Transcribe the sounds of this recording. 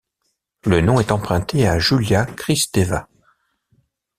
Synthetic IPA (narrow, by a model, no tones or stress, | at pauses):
lənɔ̃ɛt̪ɑ̃pχɛ̃t̪ʰeaʒyljakχist̪eva